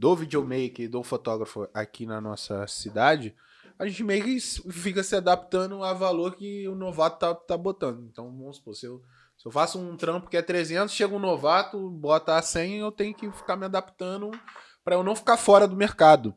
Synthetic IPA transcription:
d̪ovid͡ʒomejked̪ofot̪ɔɡɾɐfʊa̰kinɐnɔ̰sɐ̰sid̪ad͡ʒɪ | aʒẽnt͡ʃɪmejkɪsfikɐsɪad̪api̥t̪ɐ̃nd̪ʊavaloɾkɪʊnovat̪ʊ̥t̪at̪abot̪ɐ̃nd̪ʊẽnt̪ɐ̃w̃bõsposɪew | sɪewfasʊũt̪ɾɐ̃mpʊ̥kɪɛt̪ɾezẽnt̪ʊsʃeɡʊʊ̃novat̪ʊbɔt̪ɐːsẽj̃ɐewt̪ẽj̃ʊkɪfi̥kaɾmɪad̪apt̪ɐ̃d̪ʊ | pɾɐewnɐ̃w̃fi̥kaɾfɔɾɐd̪ʊmeɾkad̪ʊ

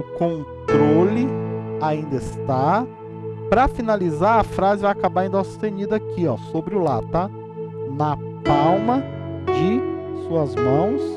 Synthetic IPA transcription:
ʊkõnt̪ɾolɪaĩnd̪ɐɪst̪a | pɾɐfinalizaɾɐfɾazɪvajakabaɾĩnd̪ʊast̪ẽɲid̪akiɔsobɾɪʊlat̪a | nɐ | pawmɐ | d͡ʒɪsuɐzmɐ̃w̃s

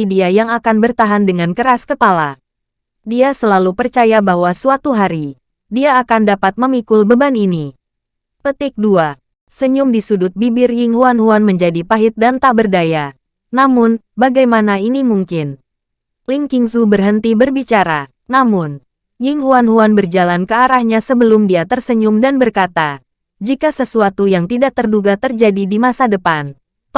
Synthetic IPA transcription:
idiajaŋakanbərt̪aɦandəŋankəɾaskəpala̰ | diasəlalupərt͡ʃajabahwasuat̪uɦaɾi | diaːkandapat̪̚məmikʊlbəbanini | pət̪ɪk̚dua | səɲʊmdisudʊt̪̚bibɪrjɪŋhuanɦuanməɲd͡ʒadipaɦɪt̪̚dant̪abərdaja | namʊn | baɡajmanainimuŋkɪn | liŋkiŋsubərɦənt̪ibərbit͡ʃaɾa | namʊn | jɪŋɦuanɦuanbərd͡ʒalankəaɾahɲasəbəlʊmdiat̪ərsəɲʊmdanbərkat̪a | d͡ʒikasəsuat̪ujaŋt̪idaʔ̚t̪ərduɡat̪ərd͡ʒadidimasadəpan

